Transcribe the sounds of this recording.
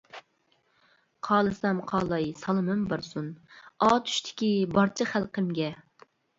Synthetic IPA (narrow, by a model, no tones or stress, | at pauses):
qʰɑːlˠɨsɑmqʰɑːlˠɑjsɑlˠɨmɨmbɑɾsunɑːt̪ʰy̥ʃt̪ʰɪ̥kʲibɑɾt͡ʃʰɨχælˠqəmɡʲɛ